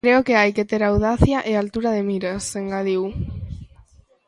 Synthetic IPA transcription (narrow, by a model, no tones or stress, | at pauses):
kɾeokeajket̪eɾawðaθjaʔealt̪uɾaðemiɾaseŋɡaðiw